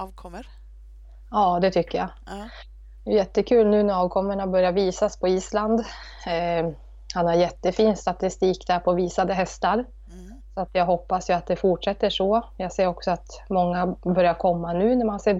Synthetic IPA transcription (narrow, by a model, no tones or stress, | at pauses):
ɑːd̪ɛt̪ʰʏkːəja̰ | ɛjɛt̪ːəkʰʉ̟ːlnʉ̟ːnɛɾɑːvkʰɔmːəɳabœɾjaviːsaspʰɔiːsland̪ | hanhaɾjɛt̪ːəfiːnst̪at̪ɪst̪iːkd̪æɾpʰɔviːsad̪əɦɛst̪aɾ | sɔat̪jɑːɡɦɔpːasjɵat̪̚d̪ɛfʊʈʂɛt̪ːəʂɔjɑːɡseːɾɔksɔat̪ | mɔŋːabœɾjaɾkʰɔmːanʉ̟ːnæɾmanseː